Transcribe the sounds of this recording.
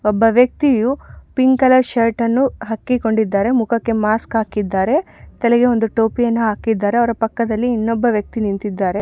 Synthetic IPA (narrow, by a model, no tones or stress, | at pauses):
ɔbːɐʋjɐk̚t̪ijupiŋkɐlɐʃɐɾʈɐnːuɦɐkːiko̞ɳɖid̪ːaːɾe̞mukʰɐkːe̞maːskɦaːkid̪ːaːɾe̞t̪ɐlɛɡe̞o̞nd̪uʈoːpijɐnːuɦaːkid̪ːaːɾe̞ɐʋɐɾɐpɐkːɐd̪ɐlːiːnːɔbːɐʋjɐk̚t̪inint̪id̪ːaːɾe̞